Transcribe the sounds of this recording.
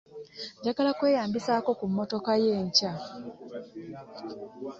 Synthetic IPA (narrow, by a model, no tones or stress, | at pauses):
ɟaɡalakwe̞ːjaːmbisaːko̞kumːo̞to̞kaje̞ːɲca